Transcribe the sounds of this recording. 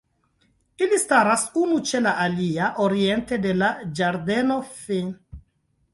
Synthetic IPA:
ilistaɾasunut͡ʃe̞laʔaliaʔoɾie̞nte̞de̞lad͡ʒaɾde̞no̞fin

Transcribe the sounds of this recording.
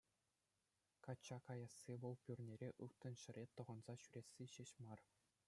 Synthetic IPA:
kɑt͡ɕːɑkɑjɑsːiʋɤ̆lˠpʲyrʲnʲeɾʲeʔɯt̪ːɤ̆nɕɘ̆ɾʲet̪ɤ̆ʁɤ̆nz̥ɑɕyɾʲesʲːiɕĕɕmɑr

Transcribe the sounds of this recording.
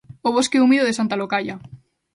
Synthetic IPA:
oβ̞o̞skeumiðoðe̞sant̪alokaʝa

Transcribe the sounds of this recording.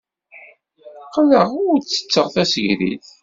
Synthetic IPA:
qləʁʊɾt͡sːə̥t͡sːəʁθæsəʝɾḭθ

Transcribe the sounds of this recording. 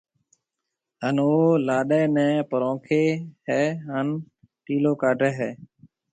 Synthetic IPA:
ɦənoːlaːɗeːnɛ̃ːpəɾõːkʰeːɦɛːɦən | ʈiːloːkaːɖʱeːɦɛː

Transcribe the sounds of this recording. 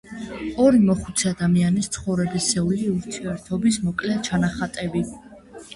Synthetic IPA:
ɔɾimɔχu̥t̪sʰɛad̪amianist̪sʰχɔvɾɛbisɛuliuɾt̪ʰiɛɾt̪ʰɔbismɔkʼlɛt͡ʃʰanaχat̪ʼɛbi

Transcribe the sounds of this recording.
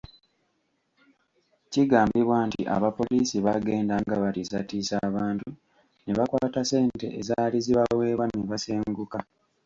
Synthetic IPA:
ciɡaːmbiβwantḭʔa̰βapo̞lisiβaɡe̞ːndaŋɡaβatisatisaːβaːntu | neβakwaːtase̞ːnte̞ʔezaːliziβawe̞ːβwaniβaseːŋɡuka

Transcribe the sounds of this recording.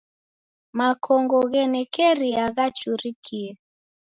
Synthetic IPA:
makʰɔŋɡɔɣɛnɛkɛɾiaɣat͡ʃuɾikʰiɛ

